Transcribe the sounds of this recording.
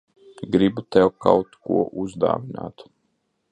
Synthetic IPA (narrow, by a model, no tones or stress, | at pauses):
ɡɾibut̪ɛwkawt̪kuɔʔuzd̪a̰ːʋina̰ːt̪